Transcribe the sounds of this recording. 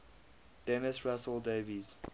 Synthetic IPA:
d̥ɛnəsɹasəldeːviz

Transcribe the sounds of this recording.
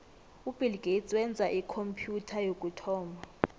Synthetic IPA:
ub̥ʱilɡ̥ʱet͡sʼwɛnd͡zʱaʔikʰompʰjutʰajokʼutʰɔːmʱa

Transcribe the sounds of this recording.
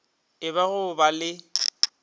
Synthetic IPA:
ɪbaɣʊbalɪ

